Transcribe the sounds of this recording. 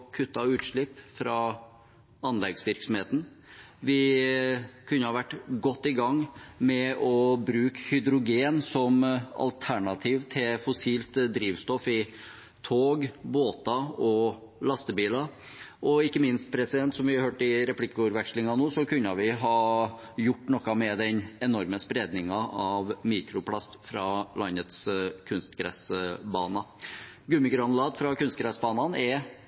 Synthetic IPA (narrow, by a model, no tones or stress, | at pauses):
kʰʉt̪ːɑʉːt̪ʂɭɪpːfɾɑ | ɑnlɛɡsʋɪɾksɔm̩heːt̪n̩ | ʋɪ | kʰʉnːəhɑʋæʈːɡɔt̪ːɪɡɑŋːmɛʔɔbɾʉːkhʏd̪ɾʊɡeːnsɔmɑ̰lt̪ʰæɳɑt̪ʰiːʋt̪ʰɪlfɔsiːlt̪d̪ɾiːʋst̪ɔfɪ | t̪ʰoːɡboːt̪ɑɔ | lɑst̪əbiːlɑ | ʔɔɪkːəmɪnst̪̚pʰɾɛsɪd̪ɛnt̪sɔmʋɪhɑɾhøːʈɪɾɛpʰlɪkːəʊɾʋɛkʂlɪŋɑnoːsɔkʰʉnːəʋɪɦɑ | jʊʈːnɔkːɑmɛd̪ɛɲɛnɔɾməspɾeːd̪nɪŋɑɑʋmiːkɾʊpʰlɑst̪fɾɑlɑnːət̪skʰʉnst̪ɡɾɛ̰sbɑːnɑ | ɡʉmɪkɾɑnlɑːd̪fɾɑkʰʉnst̪̚ɡɾæsbɑːnɑnɛ